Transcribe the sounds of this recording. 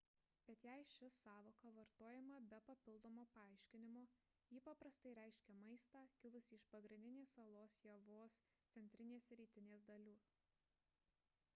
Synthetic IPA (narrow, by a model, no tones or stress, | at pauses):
b̥ʲɛt̪jæɪʃʲɪsɑːʋoːkɐʋɐɾt̪oːjɛmɐbʲɛpɐpʲɪlˠd̪oːmoːpɐɑˑɪʃʲkʲɪnʲɪmoː | jiːpɐpɾɐst̪ɐɪɾʲæˑɪʃʲkʲɛmɐɪst̪ɑːkʲɪlˠʊsʲɪʃpɐɡɾʲɪ̃nʲd̪ʲɪnʲeːsɐlˠoːsjɛʋoːs | t̪sʲɛnʲt̪ʲɾʲɪnʲeːsɾʲiːt̪ʲɪnʲeːsd̪ɐlʲuː